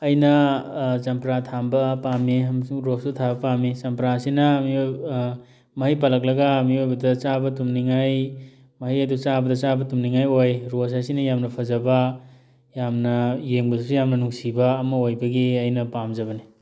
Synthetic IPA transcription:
ɐjnɐd͡ʒɐmpɾatʰambɐpamːimɾosutʰabɐpamːid͡ʒɐmpɾasinɐmi | mɐɦijpalɐk̚lɐɡɐːmiojbɐdɐt͡ʃabɐtumniŋaj | mɐɦijɐdut͡ʃabɐdɐt͡ʃabɐtumniŋajojɾos̬ajsinɐjamnɐpʰɐzɐbɐ | jamnɐjeŋbɐsusujamnɐnuŋsibɐːmɐojbɐɡiɐjnɐpamd͡ʒɐbɐni

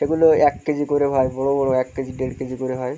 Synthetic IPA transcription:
eɡuloɛkːid͡ʑʰikoɾeɦɔjbɔɽobɔ̃oɛkːid͡ʑiɖeɖked͡ʑʰikoɾeɦɔj

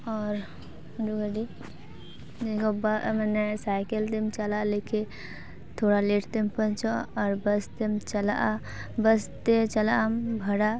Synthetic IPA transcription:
ɔːɾ | duɡəɖi | d͡ʒekobamɛnesaːɪkəlt̪emt͡ʃəlaleːke | t̪ʰoːɽaleːʈʰt̪empə̃nt͡ʃoɔːɾbəst̪emt͡ʃɐla | bəst̪et͡ʃəlambʱɐɽa

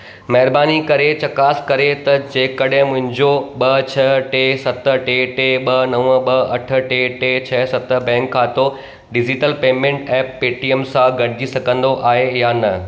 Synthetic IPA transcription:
mɐɦɪɾbaːnikɐɾet͡ɕɐkaːskɐɾet̪ɐd͡ʑeːkɐɗɦɪ̃mʊ̃ɦɪ̃ɲd͡ʑoɓɐt͡ɕʰɐʈesɐt̪ə̆ʈeʈeɓɐnɐʋə̃ɓɐɐʈʰə̆ʈeʈet͡ɕʰɐsɐt̪ə̆bɛ̃ːŋkʰːãːt̪o | ɖɪd͡ʑɪʈəlpeːmẽɳʈɛːpːeːʈiəmsãɡʱɐɽɪd͡ʑisɐɡʱə̃nd̪oʔaːɦejaːnɐ

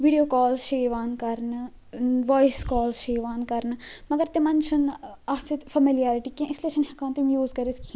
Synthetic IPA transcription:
ʋiɖijoːkɔːlsʃeːʋaːnkɐɾn | ʋɔːjskɔːlsʃeːʋaːnkɐɾnmɐɡɐɾt̪emɐnt͡ʃʰʊnɐɦsit̪fʰɐmilijaːɾɪʈiːkẽʔɪsleːʃɐnhɐkaːnt̪emjuːzkɐɾeskʰi

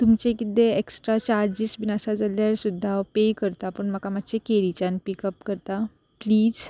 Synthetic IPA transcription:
t̪umt͡ɕekit̪eeksʈɾat͡ɕaɾd͡ʑisʋinasad͡zaljaɾsud̪ʱːaʋpekəɾt̪apəɳməkamat̪t͡ɕekeɾit͡ɕanpikəpkəɾt̪a | pliːd͡z

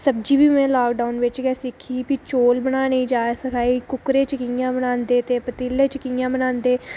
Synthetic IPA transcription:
səb̚d͡ʒiːbiːmẽːlaːk̚ɖaːʊnʋɪt͡ʃɡɛːsɪkʰiːpit͡ʃoːlbənaːnəĩːd͡ʒaːsəkʰaːiːkʊkɾeːt͡ʃəkijãːbənãːnd̪eːt̪eːpət̪iːlːeːt͡ʃəkĩjãːbənãːnd̪eː

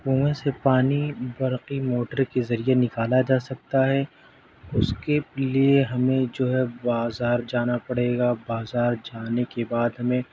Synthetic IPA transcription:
pũːwẽsepaːnibɐɾqimoːʈəɾkezɐɾienɪkaːlad͡ʒaːsɐk̚t̪aɦɛ | ʊskelieɦɐmẽd͡ʒoːɦɛbaːzaːɾd͡ʒaːnapɐɽeːɡabaːzaːɾd͡ʒaːnekebaːd̪ɦɐmẽ

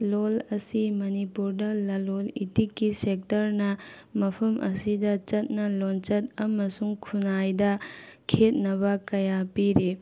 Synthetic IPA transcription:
lolɐsimɐnipuɾdɐlɐlolḭtikːisek̚tɐɾnɐmɐpʰɐmʔɐ̰sidɐt͡ʃɐt̚nɐlont͡ʃɐt̚ɐmɐsuŋkʰunajdɐkʰet̚nɐbɐkɐjapiɾe

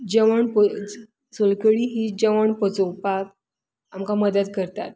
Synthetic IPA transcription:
d͡ʑəʋəɳpə | solkəɭiɦiːd͡ʑəʋəɳpət͡sopak̚ | amkaməd̪əd̪̚kəɾt̪at̪̚

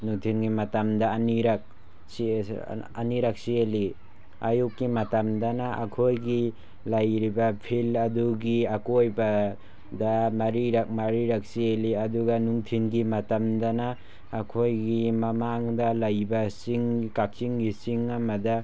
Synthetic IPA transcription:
nuŋtʰinɡimatamdaːniɾak̚ | s | aniɾak̚sieli | ajukːimatamdanaa̰kʰojɡi | lajɾibapʰilɐduɡiakojba | damaɾiɾak̚maɾiɾak̚sieliɐduɡanuŋtʰinɡimatamdanaː | kʰojɡimamaŋdalajbasiŋkak̚siŋɡisiŋamada

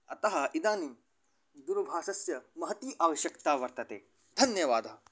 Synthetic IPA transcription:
ɐ̰t̪ɐɦɐ̆ʔid̪aːniː | d̪uɾbʱaːsɐsjɐmɐɦɐt̪iːʔaːʋɐɕjɐkt̪aːʋɐɾt̪ɐt̪ḛː | d̪ʱɐnjɐʋaːd̪ɐɦɐ

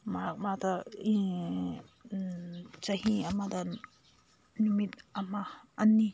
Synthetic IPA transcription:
maɾak̚matai | t͡ʃɐɦiamada | numit̪̚amaːnːi

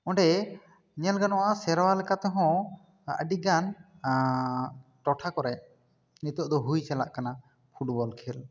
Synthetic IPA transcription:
ɔ̃ɳɖɛ | ɲɛlɡanɔwasɛɾwalɛkat̪ɔɦɔ̃ | ə̰ɖiɡan | ʈɔʈʰakɔɾɛ | nit̪ɔʔd̪ɔɦujt͡ʃɛla̰ʔkana | pʰuʈbɔlkʰɛl

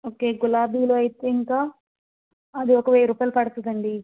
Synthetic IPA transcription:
oːke̞ːɡulaːbiːloːɐjit̪eːiŋkaː | ɐd̪iɔkɐʋeːɾuːpɐjlɐpɐɽɐt̪ud̪ɐɳɖi

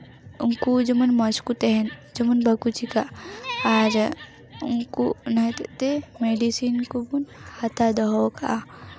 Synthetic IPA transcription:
uŋkud͡ʒɐmunmɔskut̪eɦend͡ʒɐmunbʱɐkut͡ʃikaaɾ | uŋkunɐt̪t̪emeɖisinkubunhat̪ʰad̪ɐɦoka̰

